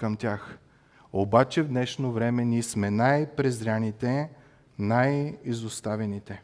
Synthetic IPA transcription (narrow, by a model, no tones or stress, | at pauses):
ɐmt̪ʲjax | obat͡ʃɛvd̪nɛʃnovɾɛmɛnʲismɛnajpɾɛzɾʲanit̪ɛ | najizʊst̪avɛnit̪ɛ